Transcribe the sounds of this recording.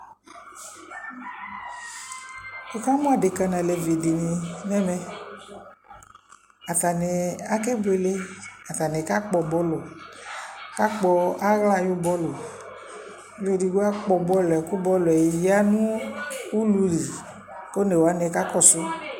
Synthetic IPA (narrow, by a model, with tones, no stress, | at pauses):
o˨ka˦mɔ̃˦a˨de˨ka˧nã˨lɛ˨vi˨di˨ni˨nɛ˦mɛ˧ | a˨t̪a˨ne˨a˦ke˦bʊ˦e˨le˦a˨ta˨nɛ˨ka˦k͡pɔ˨bɔ˦lʊ˨ | ka˦k͡pɔ˧a˦ɣla˦˨ju˦bɔ˦lʊ˨˦ | le˨di˨ɡo˦a˦k͡pɔ˨bɔ˦lɛ˨ku˦bɔ˦lʊ˨ɛ˨ja˦nũ˦u˦lu˧li˨ | ko˦ne˨wa˨˦ne˨ka˦kɔ˦˨sʊ˦